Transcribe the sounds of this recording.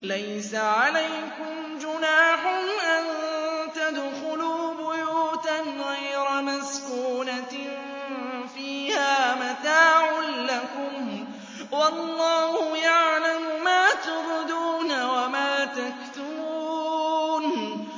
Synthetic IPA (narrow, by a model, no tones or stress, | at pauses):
lajsaʕalajkʊm | d͡ʒʊnaːħʊnʔant̪ad̪xʊluːbʊjuːt̪anɣajɾamaskuːna | fiːhaːmat̪aːʕʊnlakʊm | wɑlːɑːhʊjaʕlamʊmaːt̪ʊbʊd̪uːnawamaːt̪akt̪ʊbuː | n